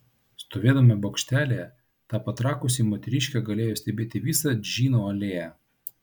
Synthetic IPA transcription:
st̪oːʋʲeːd̪ɐmʲɛbokʃʲt̪ʲæːlʲeː | t̪ɑːpɐt̪ɾɑːkʊsʲiːmoːt̪ʲɛɾʲɪʃʲkʲɛɡɐlʲeːjoːsʲt̪ʲɛbʲeːt̪ʲɪʋʲiːsɑd͡ʒʲiːnoːɐlʲeːjæ

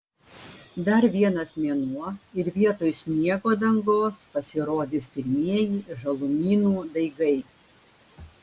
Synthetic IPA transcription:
d̪ɐɾʋʲiɛnɐsmʲiɛnuɔɪɾʋʲiɛt̪oːjsʲnʲiɛɡoːd̪ɐŋɡoːspɐsʲɪɾoːd̪ʲɪːspʲɪɾʲmʲiɛjiːʒɐlˠʊmʲiːnuːd̪ɐɪɡɐɪ

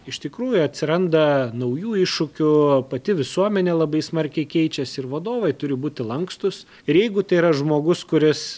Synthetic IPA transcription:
ɪʃt̪ʲɪkɾuːjʊɐt̪ʲsʲɪɾɐnd̪ɐnɐʊjuːɪʃːʊkʲʊpɐt̪ʲɪʋʲɪsuɔmʲɛnʲeːlˠɐbɐɪsmɐrʲkʲɛɪkʲɛɪt͡ʃʲɛsʲɪɾʋɐd̪oːʋɐɪt̪ʊɾʲɪbuːt̪ʲɪlˠɐŋkst̪ʊs | ɪɾjɛɪɡʊt̪ɐɪiɾɐʒmoːɡʊskʊɾʲɪs

